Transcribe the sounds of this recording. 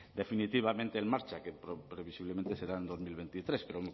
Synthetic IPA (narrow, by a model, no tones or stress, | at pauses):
d̪e̞finit̪iβ̞amẽnt̪eːlmaɾt͡ʃakepɾopɾeβ̞isiβlement̪e̞se̞ɾaend̪o̞zmilβe̞nt̪it̪ɾe̞speɾo